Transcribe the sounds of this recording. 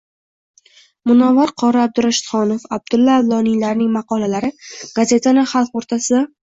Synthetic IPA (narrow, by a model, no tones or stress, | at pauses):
mʊnɒvaɾqʰɒɾaab̚d̪ʊɾaʃɪt̪χɒnofab̚d̪ʊlːaːvlˠɒnijlaɾnɪŋmɑqʰɒlalaɾɪɡ̥aze̞t̪ʰanɪχɑlˠqoɾt̪ʰasɪd̪a